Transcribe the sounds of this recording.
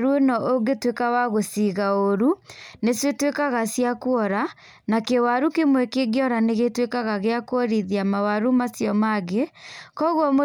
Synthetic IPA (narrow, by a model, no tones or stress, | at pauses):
ɾuenɔʔoɡetwekawaɣosiɣaoɾuneswetwekaɣasjakuɔɾa | nakewaɾukemwɛkeɡjɔɾaneɣetwekaɣaɣeakwɔɾiðiamawaɾumasjɔmaɣekɔɣwɔmo